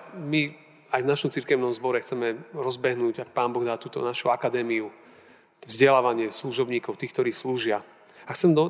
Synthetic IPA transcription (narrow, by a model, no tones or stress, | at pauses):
mi | ajvnaʃɔmt͡siɾkɛʊnɔmzbɔɾɛxt͡sɛmɛɾɔzbɛɦnuːɟak̚paːnbɔɣd̪aːt̪uːt̪ɔ̰naʃuakad̪ɛːmiu | vzɟɛlaːʋaɲɪɛsluʒɔbɲiːkɔʊt̪iːxkt̪ɔɾiːsluːʒɪa | axt͡sɛmd̪ɔ